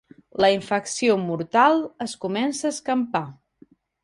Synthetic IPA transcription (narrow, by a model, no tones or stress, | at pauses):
ləiɱfəksiomuɾt̪alˠəskumɛnsəːskəmpa